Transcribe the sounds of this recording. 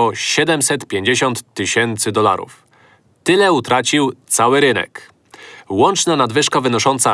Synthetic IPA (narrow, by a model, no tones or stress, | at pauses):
ɔɕɛd̪ɛmsɛt̪pʲjeɲd͡ʑeɕɔnt̪ːɘɕɛnt̪sɘd̪ɔla̰ɾṵf | t̪ɘlɛut̪ɾat͡ɕiwt̪sawɘɾɘnɛ̰k | wɔnt͡ʂnanad̪vɘʂkavɘnɔʂɔnt̪sa